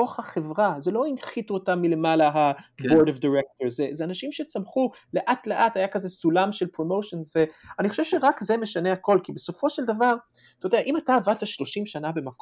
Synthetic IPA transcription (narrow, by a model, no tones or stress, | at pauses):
oχhaχe̞vʁaze̞lo̞inχituotamːile̞malaɦaboɾdovdaʁek̚toʁzezeanaʃimʃe̞t͡samχu | le̞ʔatle̞ʔatajakazesulamʃelpʁo̞mo̞ʃonzve̞aniχo̞ʃev̥ʃeʁakzeme̞ʃaneako̞lkibe̞so̞fo̞ʃeldavaʁ | t̪ojod̪eaʔimataːvataʃlo̞ʃimʃanabe̞mak